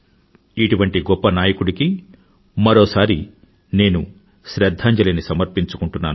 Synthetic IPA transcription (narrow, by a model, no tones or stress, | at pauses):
iʈuʋɐɳʈiɡɔpːɐnaːjɐkuɽiki | mɐɾoːsaːɾi | ne̞ːnu | ʃɾɛd̪ʱːaːɲd͡ʒɐlinisɐmɐɾpiɲt͡ʃu̥kuɳʈunːaːnu